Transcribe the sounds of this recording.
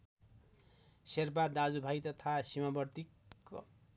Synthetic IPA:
serpad̪ad͡zubʱajt̪ʌt̪ʰasimabʌrt̪ik

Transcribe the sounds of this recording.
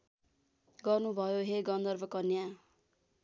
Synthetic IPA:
ɡʌrnubʱʌjoɦeɡʌnd̪ʌrbʱʌkʌnja

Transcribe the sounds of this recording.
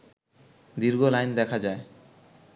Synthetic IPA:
d̪iɾɡolajnd̪ɛkʰad͡ʑae

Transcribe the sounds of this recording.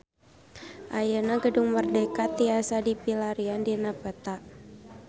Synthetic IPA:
ʔajanaɡəduŋmərdɛkat̪̚iasadipilaɾiandinapət̪a

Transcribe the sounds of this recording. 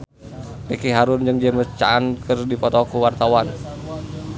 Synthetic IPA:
rekiɦaɾʊnd͡ʒɨŋd͡ʒɛməst͡ʃa̰ːnkɨrdipɔt̪ɔkuwart̪awan

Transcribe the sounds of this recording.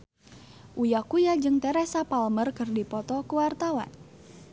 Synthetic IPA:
ʔujakujad͡ʒɨŋt̪ɛɾesapalmərkɨrdipɔt̪ɔkəwart̪awa̰n

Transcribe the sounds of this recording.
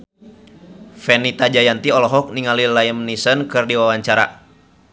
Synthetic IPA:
fɛnit̪ad͡ʒajant̪iɔlɔɦɔk̚niŋalilaəmnisənkɨrdiwawaɲt͡ʃaɾa̰

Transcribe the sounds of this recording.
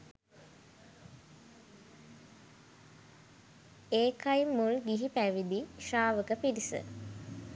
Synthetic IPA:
eːkʰajmulɡiɦipæʋid̪iʃaːʋəkəpiɾisə̰

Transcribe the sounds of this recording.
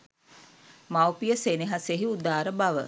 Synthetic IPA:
mawpijəseneɦaseɦiud̪aːɾəbaʋə

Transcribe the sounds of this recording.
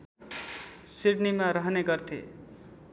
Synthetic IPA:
siɖnimaɾʌɦneɡʌrt̪ʰḛ

